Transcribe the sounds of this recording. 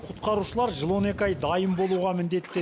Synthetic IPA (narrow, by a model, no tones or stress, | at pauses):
qʰʊtt̪qɑɾuʃəlˠɑɾʒəlˠo̞ne̞kʲɑjd̪ɑjəmbo̞lˠuʁɑmɪnd̪e̞t̪ːe